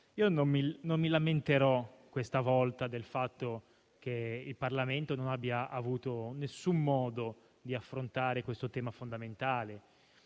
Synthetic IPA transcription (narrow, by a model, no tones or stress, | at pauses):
iːonomminomːilament̪eɾɔkːwest̪avɔlt̪ad̪elfat̪ːo | k̟eilparlament̪ononabːjaʔavuːt̪onesːumːɔːd̪o | d̪iafːɾont̪aːɾekwest̪ot̪ɛːmafond̪ament̪aːle